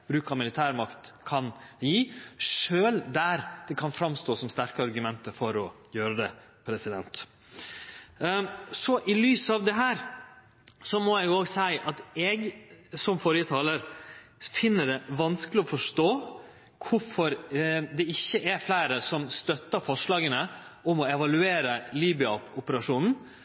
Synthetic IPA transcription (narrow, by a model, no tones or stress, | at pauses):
b̥ɾʉːkɑmɪlɪt̪ʰæːɾmɑkt̪kʰɑnjiːʂøːld̪æɾd̪̥ɛkʰɑnfɾɑmst̪oːsɔmst̪æɾkəɑɾɡʉmɛnt̪əɾfɔɾɔ | jøːɾəd̪ɛ | pʰɾɛsɪd̪ɛ̰nt̪ | sɔʔɪlyːsɑʋd̪ɛɦæːɾ | sɔmɔɛɡoːɡsæɪʔɑt̪ɛɡsɔmfɔɾjət̪ʰɑːləɾ | fɪnːəɖɛʋɑnskəlɪɔfɔʂtoː | kʰʊfɔɾd̪ɛɪçːəʔæɾflæɪɾəsɔmst̪œt̪ːəfɔʂlɑːɡənəɔmɔɛʋɑlʉeːɾəliːbɪʏʊpəɾɑʂuːnn̩